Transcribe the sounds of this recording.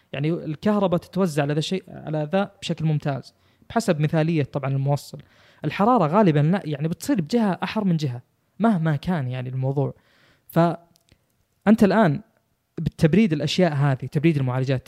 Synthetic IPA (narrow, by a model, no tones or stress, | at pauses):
jaʕniɪlkɑhɾˤɑbat̪ɪ̥t̪awazːaʕalaðaʃeːʔʕa̰laðab̥ʃaklmʊmt̪ʰa̰ːz̥ | b̥ɪ̥ħasabmɪθaːlɪjːat̪ˤɑbʕɑnɪlmʊwɑsˤːɑl | ʔɪlħɑɾˤɑːɾˤɑɣaːlɪbanlaʔjaʕnibɪt̪sˤiːɾbɪd͡ʒɪhaʔaħɑɾˤmɪnd͡ʒɪɦa | mahmakaːnjaʕniɪlmɑwðˤuːʕ | fa | ʔɪnt̪alʔaːn | bɪt̪ʰːabɾiːd̪ɪlʔaʃjaːʔɦaːðit̪abɾiːd̪ɪlmʊʕaːlad͡ʒaːt̪